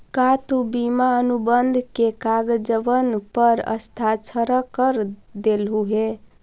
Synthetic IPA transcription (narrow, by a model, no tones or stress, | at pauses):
kat̪ubimaənubənd̪ʱkekaɡd͡ʒəʋənpəɾə̰st̪ʰat͡ʃʰəɾəkəɾd̪elɦuɦe